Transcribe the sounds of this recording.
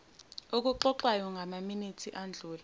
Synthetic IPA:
ok̬uǃɔǃwajɔŋɡʱamaminitʰiʔand͡ɮʱuːla

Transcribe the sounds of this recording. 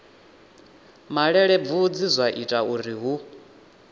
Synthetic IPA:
maɺɛɺɛb̪vud͡zizʷwaʔitʼauɾiɦu

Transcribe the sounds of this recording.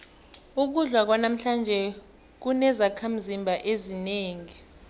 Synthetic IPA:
uk̬uɮwak̬wanam̩ɬand͡ʒʱɛ | k̬unɛzakʰam̩zimbʱaʔezineːŋi

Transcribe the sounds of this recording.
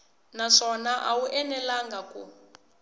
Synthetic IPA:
naʂɔnaʔawuʔɛnɛlaŋɡaku

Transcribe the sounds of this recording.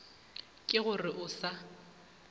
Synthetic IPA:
kʼɪɣʊrɪʔʊsa

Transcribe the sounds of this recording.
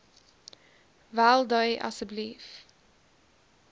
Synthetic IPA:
vælˠdəɪʔɐ̰səblif

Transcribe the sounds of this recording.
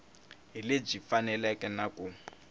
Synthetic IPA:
ɦileb͡ʐifanɛlɛkɛnaku

